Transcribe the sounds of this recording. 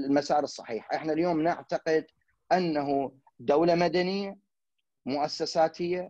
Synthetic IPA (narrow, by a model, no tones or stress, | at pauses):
lmasaːɾɨsˤːɑ̰ħḭːħʔɪħnaljoːmnɪʕt̪aqɪd̪ | ʔanːaɦu | d̪awlamad̪anɪjːa | mʊʔasːasaːt̪ʰɪjːa